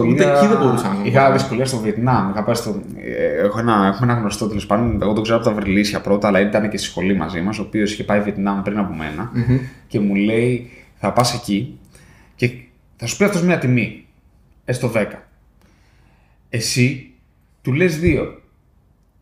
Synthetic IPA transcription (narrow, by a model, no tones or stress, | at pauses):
oieiðeboɾisɐixɐðisko̞liɐst̪o̞viet̪nɐmixɐpɐst̪o | exoenɐe̞xumeenɐɣnost̪o̞t̪ilispɐnoneɣo̞t̪o̞ɡzeoɐpot̪ɐvɾilisçɐpɾo̞t̪ɐːlɐit̪ɐnecest̪i̥sxo̞limɐ̰zimɐs̬o̞ːpio̞si̥çe̞pɐiviet̪nɐmupɾinɐpo̞me̞̰nɐce̞mule̞iθɐpɐse̞ci | ce̞ | θɐsu̥pisɐft̪o̞zmɲɐt̪imi | e̞st̪o̞ðe̞kɐ | e̞si | t̪ulezðio̞